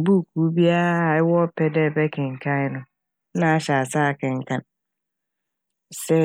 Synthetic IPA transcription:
bu˦˨kʰu˨˦bi˦a˦˨ɪ˦wɔ˦pʰɛ˦dɛ˦˨bɛ˦kʰɪ̃˨ŋ̩˨kʰã˦ɪ˦nʊ̃˨ | nã˦a˦ɕa˨a˨saː˦˨kʰɪ̃˨ŋ̩˨kʰã˨n | sɛ˦

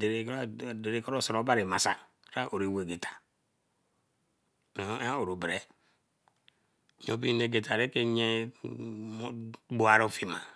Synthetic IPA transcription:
de˨ɾe˨˦de˨ɾe˨kɔ˦ɾo˦˨sɔ˨ɾo˨˦ba˦ɾe˨ma˨sa̰˨ | ɾa˦ʔo˨ɾe˨we˨ɡe˨tʰḁ˨ | n˨˦a˦o˨ɾo˨bɾe˦˨ | ɲo˦˨pi˦ne˨ɡe˨tʰa˨ɾe˦ke˦ɲe˦ | bo˨˦a˨ɾo˦fi˨ma˨

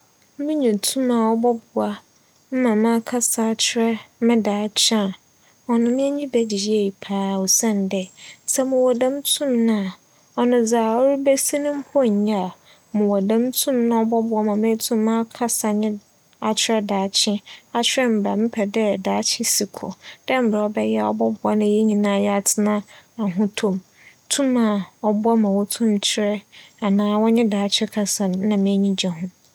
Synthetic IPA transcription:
mɪ̃˦ɲũ˨tʰũ˦mã˨ɔ˦bɔ˦bʊ˨a˦ | m̩˦mã˨mã˦kʰa˦sa˨t͡ɕʰɪ˦ɾɛ˦mɪ̃˦daː˨˦t͡ɕʰã˦˨ | ɔ˨nʊ̃˨mɪ̃˦ɛ˦ɲĩ˦bɛ˦d͡ʑi˨ɾi˦e˨i˨pʰaː˨˦˨ɔ˨sã˦˨n˨dɛ˨sɛ˦mʊ̃˨wɔ˨dã˦mtʰʊ̃˦mnã˦a˨ | ɔ˨nʊ̃˨d͡zaː˨ɔ˦ɾi˦bɛ˦si˦nʊ̃˦m̩˦pʰɔ˦˨ɲ˨ɲã˦˨ | mʊ̃˨wɔ˨dã˦mtʰʊ̃˦mnã˦ɔ˦bɔ˦bʊ˨˦a˦mã˨mɪ̃˦tʰũ˦m˦mã˦kʰa˦sa˨ɲɪ̃˦ | a˨t͡ɕʰɪ˦ɾɛ˦daː˨t͡ɕʰɪ̃˦a˦t͡ɕʰᶣɪ˦ɾɛ˦m̩˨ba˨mɪ̃˦pʰɛ˨dɛ˦˨daː˨˦t͡ɕʰɪ̃˦si˨kʰɔ̰˨d̥ɛ̃˦m̩˦˨bɾɛ˨ɔ˨bɛ˦jɛ˦a˨ɔ̰˦bɔ˦bʊ˨a˦nã˦jɛ˦ɲĩ˨nã˦˨jɛ˦a˨tʰɪ˦nã˦a˨ɦʊ̃˦tʰũ˦m | tʰũ˦mã˨ɔ˨bʊ˦a˦mã˨wɔ˦tʰũ˦m˦t͡ɕʰɪ˦ɾɛ˦a˨nãː˦wɔ˦ɲɪ̃˦daː˨t͡ɕʰᶣɪ˦kʰa˨sa˨n˨˦nã˨mẽ˦ɲĩ˦d͡ʑa˨ɦʊ̃˦

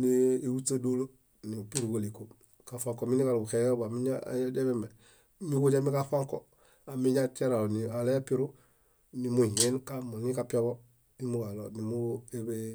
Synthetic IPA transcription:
niː˨wuta˦do˦lo˦ | ni˨pi˦ɾu˨ɡo˨liko | ka˨faŋko˨mi˦ni˦ka˨lo˨bu˨ke˨jo˦ba˨mi˦ɲa̰de˦be˦me˨ | miɡo˦d͡ʒa˦mi˦kafaŋko | a˨miɲati˦a˦ɾa˨lo˨nia˨le˦api˦ɾu˦ | ni˨mui˨je˦nkamu˨nikapi˦a˦bo˦ | ni˦mu˦ɡa˨lo˨ni˨mu˦ebe

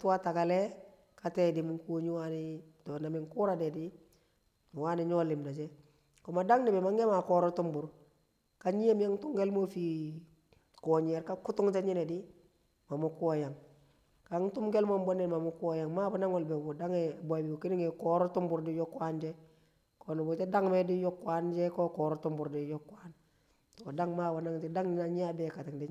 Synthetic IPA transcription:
tu˦wa˦ta˨ka˨lɛ˦ | ka˨tɛ˦di˨mu˦ŋko˦ɲu˦wa˦nido˨na˨mi˨ŋku˦ɾa˨dɛ˨di˦˨ | wa˦ni˨ɲɔ˦li˨mna˨d͡ʒɛ˦ | kɔ˨ma˨da˦ŋni˨bɛ˨ma˦ŋe˦ma˨kɔ˨ɾo˦tu˦mbu˨ɾ | ka˦ɲi˦je˦mja˦ŋtu˦ŋɡe˦lmo˦fi˨ | kɔ˨ɲe˨ɾka˦ku˦tu˦ŋd͡ʒe˦ɲi˦nɛ˨di˦ | ma˨mu˦ku˦o˨ja˨ŋ | ka˨˦ŋtu˦mɡe˦lmo˦mbo˦ne˨ma˨mu˦ku˦o˨ja˨ŋma˦bo˨na˦ŋo˨lbe˨bu˨da˦ŋe˨bo˨bi˨u˨ki˦ni˦ŋe˨kɔ˨ɾo˦tu˦mbu˨ɾdi˦jɔ˦kwa˦nd͡ʒe˦ | ko˨nu˨bu˨te˦da˦ŋme˦di˦jɔ˦kːwa˦nd͡ʒɛ˦ko˦kɔ˨ɾo˦tu˦mbu˨ɾdi˨jɔ˦kːa˦n | to˨da˦ŋma˦bo˨na˦ŋd͡ʒe˦da˦ŋni˨na˨ɲi˦a˦be˨ka˨ti˨ŋdi˦

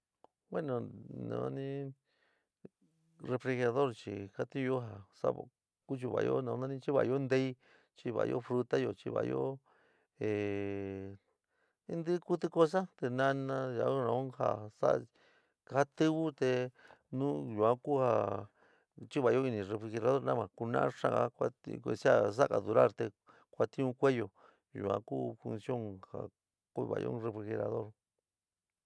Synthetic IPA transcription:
bwe˦nõ˨nã̰˧˦˧nĩ˦ | re˧fɾe˧ɣa˧ðo˦ɾt͡ʃi˧˨ka˦t̪ĩ˦jo˦ɦa˧˨sa̰˦β̰ | ku˦t͡ʃi˧βa̰˧˨˧jo̰˦nã˧nã˦nĩ˦t͡ʃi˦βa̰˧jo˦nd̪e˦˧i˦ | t͡ʃi˧βa̰˧jo̰˦fɾu˧t̪a˦jo˧˨t͡ʃḭ˧βa̰˧jo̰˦ | e˨ | i˦nd̪ɨ˦ku˦t̪ɨ˧ko˦s̬a˦t̪e˧nã˦˧nã˧ja̰˧˦ɾã˧õ˦ha̰˧˨sa̰˦ʔ | ha˦t̪ɨ˦βu˦t̪e˧nũ˦ʒu˨ã˦ku˦ha˧ | t͡ʃi˦βa˨jo˦i˧nĩ˨re˧fɾi˧xe˧ɾa˧ðo˦ɾnã˦mã˨ku˧nã̰˦ʂã̰˧a̰˧kʷa˧ke˧si˦a˦˧s̬a˦˨ka˨ðu˨˧ɾa˦˨ɾt̪e˧ | kʷa˧t̪ĩ˦ũ˧kʷe˦jo˧ | jṵ˨ã̰˧ku˦fu˧nsjo˦˨ŋha̰˨ | ku˧˦˧βa̰˨jo̰˦re˧fɾi˧xe˧ɾa̰˧ðo˦ɾ

